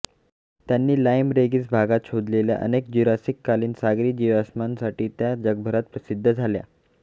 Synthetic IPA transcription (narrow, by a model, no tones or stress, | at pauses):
t̪janːiːlajmɾeɡiːt͡sbʱaɡat̪ɕod̪lelja̰ʔə̰nekd͡ʑuɾasikːaliːnsaɡɾiːd͡ʑiʋasmansaʈiːt̪jad͡ʑəɡ̚bʱəɾat̪̚pɾəsid̪ʱːəd͡zʱalja̰